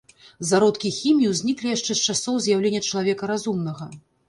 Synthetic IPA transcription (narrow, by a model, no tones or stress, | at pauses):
zaɾɔt̪kʲixʲimʲjuzʲnʲiklʲijaʂt͡ʂɛst͡ʂasɔwzʲjawlʲenʲːɐt͡ʂɐlˠavʲɛkɐɾazumnɐɣɐ